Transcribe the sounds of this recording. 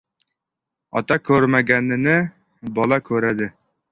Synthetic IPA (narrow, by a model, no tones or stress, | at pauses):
ɒ̰t̪ɑkʲʰɵɾmæɡʲænːɪnɪ | bɒlˠɑkʲʰɵɾæd̪ɪ